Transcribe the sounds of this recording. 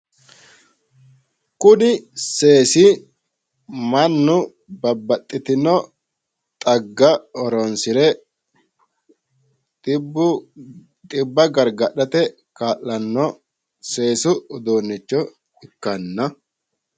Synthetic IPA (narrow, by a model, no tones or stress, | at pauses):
kʊnɪse̞ːsɪ | mɐnːʊ | bɐbːɐt̪ʼːɪt̪ɪnɔ | t̪ʼɐɡːɐɔɾɔnsɪɾɛ | t̪ʼɪbʊ | t̪ʼɪbːɐɡɐɾɡɐɗɐt̪ɛ | kaːʔːɐnːɔ | se̞ːsʊd̪oːnːɪt͡ʃːɔ | ɪkːɐnːɐ